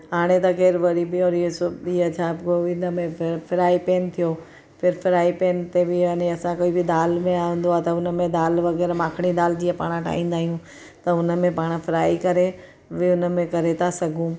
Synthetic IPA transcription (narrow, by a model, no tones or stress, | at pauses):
ɦaːɽ̃et̪ɐɣeːɾʋɐɽibiɔːɾiɦesoiɐt͡ɕʰabkoɪnəmẽfʰɪɾaːipeːnt̪ʰijo | pʰɪɾfɪɾaːipeːnt̪ebɪɐnẽɐsãkoːibʱɪd̪aːlmẽaːũːn̆d̪oaːt̪ɐʊnəmẽd̪aːlʋɐɣɛːɾmãːkʰɽ̃id̪aːld͡ʑiːepa̰ːɽ̃ãʈʰa̰ːĩːnd̪aːijũ | t̪ɐʊnə̆mẽpaːɽ̃fʰɪɾaːikɐɾe | ʋiʊnəmẽkɐɾet̪ʰasɐɡʱũ